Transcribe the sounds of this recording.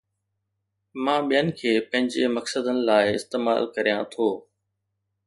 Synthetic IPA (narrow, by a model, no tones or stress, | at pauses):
mãːɓijənɪ̆kʰeːpɐ̃ɦɪ̃ɲd͡ʑemɐksəd̪ənɪ̆laːɪɪ̰st̪eːma̰ːlkɐɾijãt̪ʰoː